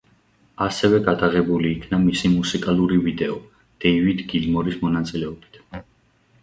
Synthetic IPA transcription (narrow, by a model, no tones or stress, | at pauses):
asɛvɛɡad̪aʁɛbuliːkʰnamisimusikʼaluɾivid̪ɛɔ | d̪̥ɛivid̪ɡilmɔɾismɔnat̪sʼilɛɔbit̪ʰ